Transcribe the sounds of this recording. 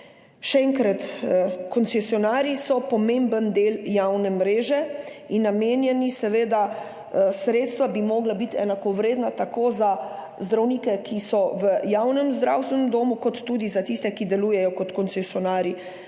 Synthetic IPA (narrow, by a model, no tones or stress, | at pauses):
ʃɛɛŋkɾat̪kɔnsɛsiɔnaːɾisɔpɔmẽmbənd̪eːljawnɛmɾeːʒɛ | inːameːnjɛnisɛʋeːd̪a | sɾeːt̪st̪ʋabimɔːɡlabit̪ɛ̰nakɔʋɾeːd̪nat̪akoːza | zd̪ɾawniːkɛkʰisɔʋəjawnɛmzd̪ɾa̰wst̪ʋɛnɛmd̪oːmukɔt̪ːuːd̪izat̪ist̪ɛkid̪ɛluːjɛjɔkɔt̪kɔnsɛsiɔnaːɾi